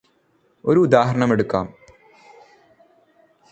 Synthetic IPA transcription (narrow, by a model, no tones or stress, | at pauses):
o̞ɾuːd̪aːɦɐɾɐɳɐme̞ɽukːa̰ːm